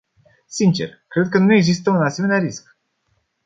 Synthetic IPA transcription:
sint͡ʃe̞rkɾe̞d̪̚kənueɡzist̪əunase̞meneaɾisk

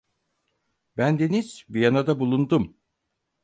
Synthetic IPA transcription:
bænd̪e̞niz̥bijanad̪abulˠund̪um

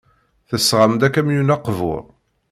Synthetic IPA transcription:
θəsʁamd̪ækæmjunɑqːvʊ̰ɾ

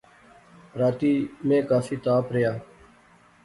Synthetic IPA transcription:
ɾaːt̪iːmẽːkaːfiːt̪aːpɾɪjaː

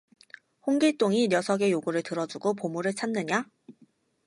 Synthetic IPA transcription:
hoŋɡiɭt͈oŋiɾjʌsʰʌɡe̞joɡuɾɯɭtɯɾʌd͡ʑuɡopomuɾɯɭt͡ɕʰanːɯɲa

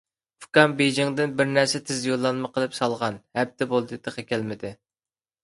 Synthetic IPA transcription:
pu̥kɑmbed͡ʒɪŋd̪ɪnbɪɾnæɾsɛt̪ʰɪzjolˠːɑnmɨqʰəlˠɨpsɑlˠʁɑnhɛp̚t̪ɪbolˠd̪ɨt̪ɨqɑkʲʰælmɪd̪ɪ

